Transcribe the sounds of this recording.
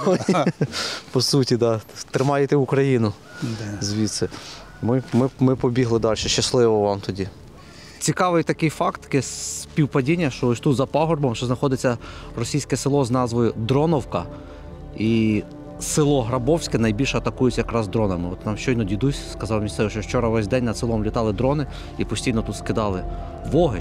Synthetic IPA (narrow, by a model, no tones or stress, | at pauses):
pɔsutʲid̪ɑt̪ɾɪmɑjet̪ɛukɾɐjinʊ | zʲʋʲit̪sɛ | mɪmɪmɪpɔbʲiɦlˠɪd̪ɑlʲʃɛʃt͡ʃːɐslˠɪʋɔʋɑmt̪ɔdʲi | t͡sʲikɑʋɪjt̪ɐkɪjfɑkt̪kɛspʲiwpɐdʲinʲːɐʃt͡ʃɔɔsʲt̪ut̪zɐpɔɦɔrbɔmʃɛznɐxɔd̪ɪt͡sʲːɐrɔsʲijsʲkɛsɪlˠɔznɑzʋɔjʊd̪ɾɔnɔwkɐ | i | sɪlˠɔɦɾɐbɔwsʲkɛnɐjbʲilʲʃɐt̪ɐkujɪt͡sʲːɐjɐkɾɑzd̪ɾɔnɐmɪɔt̪nɑmʃt͡ʃɔjnɔdʲid̪usʲskɐzɑwmʲisɛʋɪʃt͡ʃɔwt͡ʃɔɾɐʋɛsʲd̪ɛnʲnɐd̪sɪlˠɔmlʲit̪ɑlˠɪd̪ɾɔnɪ | ipɔsʲtʲijnɔt̪ut̪skɪd̪ɑlˠɪ | ʋɔɦɪ